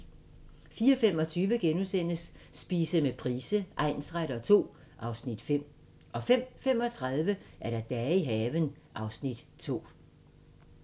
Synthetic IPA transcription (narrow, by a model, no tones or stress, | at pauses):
fiːɒfem̰ɒ̽t͡sʰyːʋəɡ̥enusen̰əsːb̥iːsəmepʰʁiːsəʔɑ̈ɪ̰nsʁaɾɐɒt͡sʰo̝̰ː | ʔɑ̈ʊsnid̥fem̰ | ʔɒ̽fem̰fem̰ɒ̽t͡sʰʁɑðˠʋəʔæɐɾ̥ɑ̈d̥ɛiɦɛːʋən | ʔɑ̈ʊsnid̥ | t͡sʰo̝̰ː